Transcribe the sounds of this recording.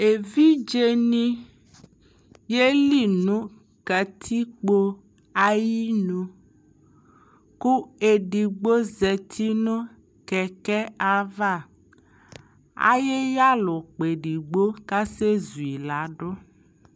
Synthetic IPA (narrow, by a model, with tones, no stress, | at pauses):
e˨vi˦d͡ʒe˦nĩ˦ | je˦li˦˨nõ˦ | kɛ˨t̪ʰi˦k͡po˦ | a˨ji˦nõ˨ | ku˦e˨ɖi˨ɡ͡bo˦zɛ˨t̪ʰi˦nɔ̃˦ | kɛ˨kɛ˦a˨va˦˨ | a̰˦je˦ja˦lɔ˨k͡pe˨ɖi˨ɡ͡bo˦ka˦se˦zu˨i˨la˨˦ɖɔ˦